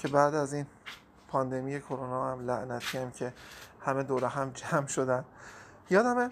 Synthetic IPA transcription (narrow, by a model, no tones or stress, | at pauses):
cʰe̞bæʔd̪æziːn | pʰɒːnd̪e̞mije̞kʰoɾonɒːhæmlæʔnæt̪ʰiːæmcʰe̞hæmed̪oːɾeɦæmd͡ʒæmʃod̪ænd̪ | jɒːd̪æme